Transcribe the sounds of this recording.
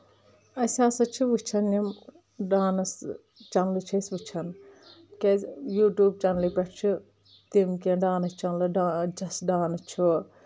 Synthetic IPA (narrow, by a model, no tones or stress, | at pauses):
ɐsʲaːsɐt͡ʃʰiʋɨt͡ʃʰɐnːim | ɖaːnɐs | t͡ʃɐnlɨt͡ʃʰɐsʋɨt͡ʃʰɐn | kejuːʈjuːb̚t͡ʃɐnlipʲɐʈt͡ʃʰi | t̪imkʲeɖaːnɐst͡ʃɐnlɨɖaːd͡ʒɐsɖaːnɐt͡ʃʰu